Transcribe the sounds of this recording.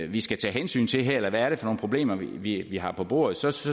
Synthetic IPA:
ʋisɡ̥æt͡sʰɛ̰ːɦensy̰ːnt͡sʰe̝ɦɛɐ̰elɐʋæːɐɾ̥efɒ̽no̝ːnpʰʁoble̝̰ːmɐiʋiʋiɦɑ̈pʰɒ̽b̥o̝ɐ̰ð̞̩ˠsɒ̽s

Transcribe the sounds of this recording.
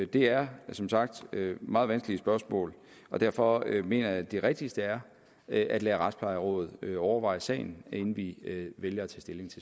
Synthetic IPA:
d̥e̝æɐsɒ̽msɑ̈ɡ̥̚d̥ømɑ̈ːð̩ˠʋænsɡ̥əliəsb̥ɶɐsmɔ̰̽ːl | ɒ̽d̥æɐ̰fɒ̽øme̝̰ːnɐjæd̥e̝ʁɛɡ̥̚d̥isd̥əæɐ | ʔæd̥lɛːʁɑ̈d̥spʰlɑ̈ɪɐʁɔ̰̽ːð̞̩ˠøɒʊɐʋɑ̈ɪsɛ̰ɪn̩e̝n̩ʋiʋeljɐæt͡sʰɛ̰ːsd̥e̝le̝ŋt͡sʰe̝

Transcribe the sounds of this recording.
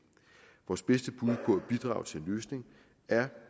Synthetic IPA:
ʋɒːsb̥esd̥əb̥uð̞ˠpʰɒ̽æb̥id̥ʁɑ̰̈ːʊt͡sʰe̝enløːsne̝ŋ | æɐ

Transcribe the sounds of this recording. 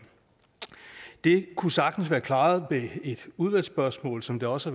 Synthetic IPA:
d̥e̝kʰusɑ̈ɡ̥d̥n̩sʋæːɐkʰlɑ̈ːð̩ˠbee̝d̥uð̞ˠʋæl̰sb̥ɶɐsmɔ̰̽ːlsɒ̽md̥e̝ɒ̽səæ

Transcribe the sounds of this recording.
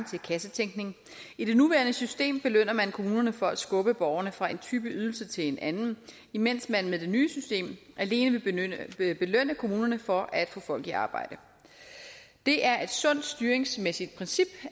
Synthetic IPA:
t͡sʰe̝lkʰæsət͡sʰeŋ̰ɡ̥ne̝ŋ | id̥e̝nuʋæɐnəsysd̥e̝̰ːmb̥e̝løn̰ɐmænkʰo̝muːnɐnəfɒ̽æd̥sɡ̥ɔ̽b̥əb̥ɒʊɐnəfʁɑ̈e̝nt͡sʰyːb̥əyð̞ˠl̩sət͡sʰe̝le̝nænn̩ | imen̰smænmeðˠd̥e̝nyːsysd̥e̝̰ːmʔæle̝ːnəʋe̝ | b̥e̝løn̰əkʰo̝muːnɐnəfɒ̽ʔæd̥fɔ̽ːfɒ̽l̰ɡ̥iɑ̈ːb̥ɑ̈ɪ̰d̥ə | d̥e̝ʔæɐʔe̝d̥sɔ̽n̰d̥sd̥yɐeŋsmesid̥̚pʰʁɛnsib̥

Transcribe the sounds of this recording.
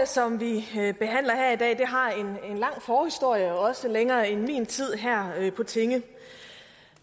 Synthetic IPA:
sɒ̽mʋib̥e̝ɦæn̰lɐhæɐ̰id̥ɛ̰ːid̥e̝ɦɑ̈e̝ne̝nlɑ̈ŋ̰fɒːhisd̥o̝ɐ̰jəɒ̽səleŋɐːenmḭːnt͡sʰið̞̰ˠɦæɐ̰øpʰɒ̽t͡sʰe̝ŋə

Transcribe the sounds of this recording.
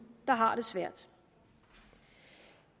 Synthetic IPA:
d̥ɑ̈ɦɑ̈ɾ̥e̝sʋæɐ̰d̥

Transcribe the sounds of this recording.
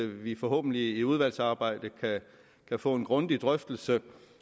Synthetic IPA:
ʋifɒ̽ɦɔ̰̽ːb̥n̩liːuð̞ˠʋæl̰sɑ̈ːb̥ɑ̈ɪ̰d̥əkʰæ | kʰæfɔ̰ːe̝nɡ̥ʁɔ̽nd̥id̥ʁœfd̥l̩sə

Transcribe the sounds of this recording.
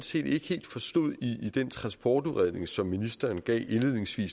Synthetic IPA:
se̝̰ːd̥e̝ɡ̥he̝̰ːld̥fɒ̽sd̥o̝ð̰ˠiːd̥ent͡sʰʁɑ̈nsb̥ɒːd̥uðʁæð̰ˠne̝ŋsɒ̽mːinisd̥ɐːnɡ̥ɛ̰ːʔenle̝ð̰ˠne̝ŋsʋḭːs

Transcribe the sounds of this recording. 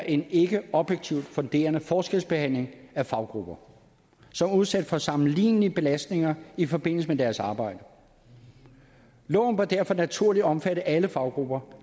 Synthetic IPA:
ʔe̝ne̝ɡ̥əɒ̽b̥jeɡ̥̚t͡sʰiʊ̰d̥fɔ̽nd̥e̝̰ːɐnəfɒːsɡ̥elsb̥e̝hæn̰le̝ŋæfɑ̈ʊɡ̥ʁub̥ɐ | sɒ̽muð̞ˠsæd̥fɒ̽sɑ̈mn̩lḭːniəb̥e̝læsd̥ne̝ŋɐifɒ̽b̥e̝n̰l̩səmed̥æɐsɑ̈ːb̥ɑ̈ɪ̰d̥ə | lɔ̽ːʊnʋɑd̥æɐfɒ̽næt͡sʰuɐlid̥ɒ̽mfæɾəʔæləfɑ̈ʊɡ̥ʁub̥ɐ

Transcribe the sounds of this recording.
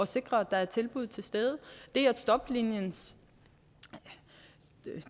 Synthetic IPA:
ɒ̽se̝ɡ̥ʁɐæd̥ɑ̈æɐt͡sʰe̝lb̥uð̞̰ˠt͡sʰe̝lsd̥eːð̞ˠəd̥e̝ææ̥sd̥ɒ̽b̥linjəns

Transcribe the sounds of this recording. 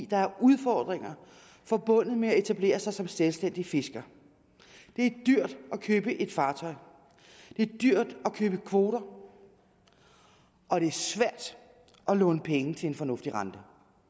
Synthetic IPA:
d̥ɑ̈æɐuðˠfɒːd̥ʁeŋ̰ɐ | fɒ̽b̥ɔ̽n̰ð̩ˠmeæe̝t͡sʰæble̝̰ːɐsɑ̈ɪsɒ̽mselsd̥en̰d̥ife̝sɡ̥ɐ | d̥e̝æɐd̥yɐ̰d̥ɒ̽kʰøːb̥əʔe̝d̥fɑ̈ːt͡sʰɒ̽ɪ | d̥e̝æɐd̥yɐ̰d̥ɒ̽kʰøːb̥əkʰʋo̝ːɾɐ | ʔɒ̽d̥e̝æɐsʋæɐ̰d̥ | ʔɒ̽lɔ̰̽ːnəpʰeŋət͡sʰe̝e̝nfɒnɔ̽fd̥iʁɑ̈nd̥ə

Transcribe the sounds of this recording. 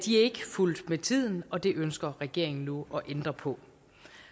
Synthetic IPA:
d̥iæɐe̝ɡ̥əful̰d̥met͡sʰið̞̰ˠn̩ɒ̽d̥e̝ʔønsɡ̥ɐʁɛɡ̥e̝ɐ̰eŋn̩nuɒ̽ʔend̥ʁɐpʰɒ̽

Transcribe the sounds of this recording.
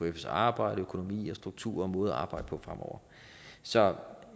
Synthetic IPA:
efsɑ̈ːb̥ɑ̈ɪ̰ɾ̥əøkʰono̝mḭːɒ̽sd̥ʁuɡ̥̚t͡sʰṵɐ̰ɒmɔ̽ːð̩ɐʔɑ̈ːb̥ɑ̈ɪ̰d̥əpʰɒ̽fʁamʔɒʊ̰ɐ | sɒ̽

